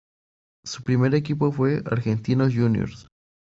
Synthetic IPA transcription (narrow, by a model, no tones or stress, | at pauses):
supɾimeɾek̬ip̬ofwea̰ɾxent̪inoʝunjo̰ɾs